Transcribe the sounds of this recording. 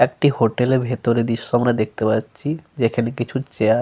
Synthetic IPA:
ɛk̚ʈihoʈelebʱet̪oɾed̪iʃːoamɾad̪ek̚ʰt̪epaːɕʰid͡ʑekʰanekit͡ɕʰut͡ɕea

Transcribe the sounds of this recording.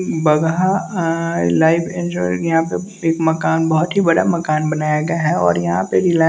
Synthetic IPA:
bɐɡɦa | laːɪbɪ̃nd͡ʒojɐɦãpe | eːkmɐkaːnbɐɦʊt̪ɦibɐɽamɐkaːnbɐnaːjaɡɐjaɦɛɔ̰ːɾjɐɦãpeɾɪla

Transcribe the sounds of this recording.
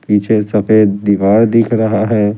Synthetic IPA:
piːt͡ʃʰesɐfeːd̪̚d̪iʋaːɽd̪ɪkʰɾɐɦaɦɛː

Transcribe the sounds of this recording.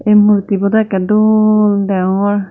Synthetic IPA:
ejmuɹtibɔdakɛduldɛŋɔɹ

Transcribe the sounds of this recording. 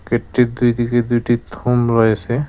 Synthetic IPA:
ketːid̪ujd̪iked̪ujʈit̪ʰumɹɔjsɛ

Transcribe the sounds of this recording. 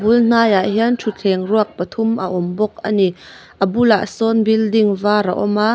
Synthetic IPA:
buln̥aːjaʔɦiəntʰut͡ɬʰɛŋruək̚pət̪ʰumʔə̰ʔɔmbɔk̚a̰ni | ʔəbulaʔsɔnbildiŋvaːɾa̰ʔɔma

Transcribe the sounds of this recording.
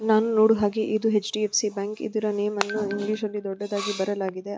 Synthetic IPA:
naːnuno̞ːɽuɦaːɡeʔid̪uɦet͡ʃʈiepʰsibaːŋkḭd̪iɾɐneːmɐnːuiŋɡliːʃɐlːid̪ɔɖːɐd̪aːɡibɐɾɐlaːɡid̪e̞

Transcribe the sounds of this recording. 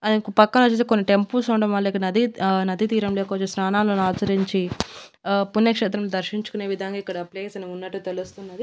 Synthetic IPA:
ɐd̪ipɐkːɐnɐt͡ʃːet̪ekonːiʈe̞mpusɐɳɖɐmɐlːɐikːɐɽnɐd̪ʱinɐd̪ʱit̪iːɾɐmloːkɐt͡ʃːesnaːnaːloːnaːt͡ʃɐɾiɲt͡ʃi | punjɐkʂɛːt̪ɾɐmloːd̪ɐɾʃiɲt͡ʃu̥kune̞ːʋid̪ʱɐŋɡaːikːɐɽɐːpleːsɐnɐunːɐʈːut̪elust̪unːɐd̪i

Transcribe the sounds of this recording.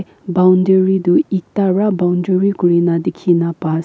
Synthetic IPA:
bawndeɹid̪uik̚t̪aɹabawndeɹikuɾinadekʰinapas

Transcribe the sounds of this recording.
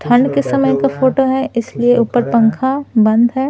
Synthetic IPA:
t̪ʰɐnkesɐməjkafoːʈoɦɛɪslieʔuːpəɾpɐ̃ŋkʰabɐ̃nd̪ɦɛː

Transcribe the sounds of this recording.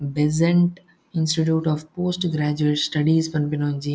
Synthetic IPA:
bezẽɳʈ | ɪ̃nsʈiʈ̬juːʈɔːʋpoːsʈɡɾæːd͡ʒueʈsʈɐɖiːzpɐnpinoːnd͡ʒi

